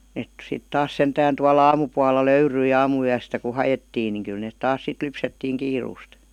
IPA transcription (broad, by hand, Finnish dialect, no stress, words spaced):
net sit tɑːs sentæːn tuɑl ɑːmupuɑlːɑ løyryi ɑːmuyæstæ ku hɑjetːiːn niŋ kyl net tɑːs sit lypsetːiːŋ kiːruːst